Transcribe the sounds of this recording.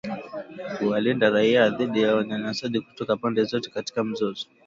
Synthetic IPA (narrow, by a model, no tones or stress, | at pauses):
huwalindaɾaiaðiɗijawaɲaɲasaɗiku̥tɔkapɔndɛzɔtɛ̥kati̥kam̩zɔzɔ